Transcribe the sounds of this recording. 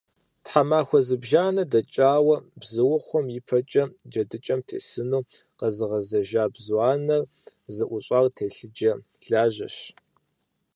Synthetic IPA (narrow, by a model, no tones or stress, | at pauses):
tħamaːxʷɔzɨbʒaːnɐdɐt͡ʃʼaːwɐbzɨwʊχʷɔmjɪpʰɐt͡ʃʼɐd͡ʒɐdɨt͡ʃʼɐmtʰḛːsɨnuːqɐzɨʁɐzɐʒaːbzwɑːnɐr | zɨʔʷʊɕʼɑːrtʰeːɬɨd͡ʒɐ | ɮ̥aːʑɐɕ